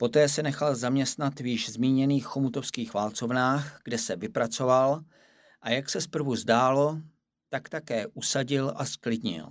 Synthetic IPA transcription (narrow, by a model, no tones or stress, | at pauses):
po̞t̪ɛːsɛnɛxalzamɲɛst̪nat̪vjɪʃzmiːɲɛniːxːomut̪o̞fskiːxvaːlt͡so̞vnaːxɡ̥dɛsɛvɪpɾat͡so̞val | ʔajaksɛspr̩vuzdaːlo̞ | t̪akt̪akɛːʔusaɟɪlʔasklɪdɲɪ̰l